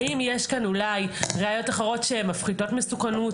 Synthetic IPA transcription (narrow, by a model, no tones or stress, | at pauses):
imjeʃkanulajʁeajo̞taχeʁo̞tʃemafχido̞tmesukanu